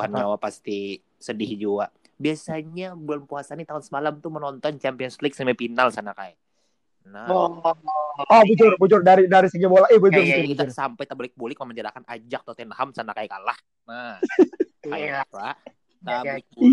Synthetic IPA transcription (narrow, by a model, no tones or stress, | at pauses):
hanɲawapast̪i | sədɪhd͡ʒua | biasaɲabulanpuasanit̪aʊnsəmalamt̪umənɔnt̪ɔnt͡ʃampiɔnsflɪk̚samapinalsanakaj | na | ɔbud͡ʒʊrbud͡ʒʊrdaɾidaɾisəɲabolaibud͡ʒʊrkit̪asampajt̪abolɪk̚bulɪk̚məmandiɾa̰kanad͡ʒak̚t̪ot̪ɛnhamsanakajkalah | na | aalalah | ak̚